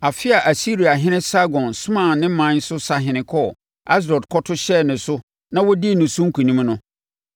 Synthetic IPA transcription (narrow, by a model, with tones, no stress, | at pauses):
a˨fɪ˦a˨ʔa˨si˦ɾi˨a˨ɦɪ̃˦nɪ̃˦sa˦ɡɔ̃˨nsʊ˦mã˦˨nnɪ̃˦mã˨˦n˦sʊ˦sa˨ɦɪ̃˨nɪ̃˨kʰɔ˦ | a˦s̬ɾɔ˨dkʰɔ˦tʰʊ˦ɕɛ˦˨nʊ̃˨sʊ˦ | nã˦wɔ˦di˦e˨nʊ̃˨sʊ̃˦ŋ̩˦kʰu˨nĩ˦mnʊ̃˦